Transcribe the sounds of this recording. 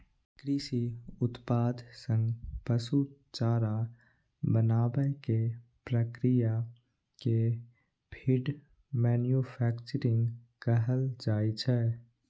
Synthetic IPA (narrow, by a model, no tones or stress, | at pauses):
kɾiːsiʊt̪paːd̪sə̃ŋɡpəsut͡ʃaːɾa | bənaːbəkepɾəkɾija | ke | bʱiɖ | mɛːnjupʰɛːkt͡ʃəɾɪ̃ŋɡkəɦəld͡ʒaːit͡ʃʰɛː